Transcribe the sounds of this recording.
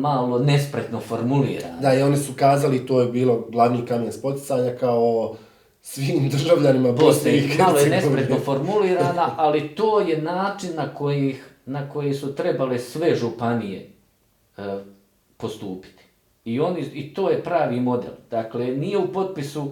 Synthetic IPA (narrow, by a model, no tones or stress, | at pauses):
malo̞ne̞spɾet̪nofoɾmulḭːɾa̰ːnd̪aio̞nisukaːzalit̪oːjebiːlˠo̞ɡlˠaʋniːkamenspo̞t̪i̥t̪saːɲakao | sʋiːmd̪r̩ʒaʋʎanimaposeimalojenespɾet̪nofo̞ɾmuliːɾaːnaʔalit̪oːje̞naːt͡ʃinːako̞jix | nako̞jisut̪ɾe̞balesʋe̞ʒupanijḛ | po̞st̪uːpi̥t̪i̥ | io̞niit̪oːje̞pɾaːʋiːmo̞d̪ḛlˠd̪̥aklenije̞upo̞t̪̚pisu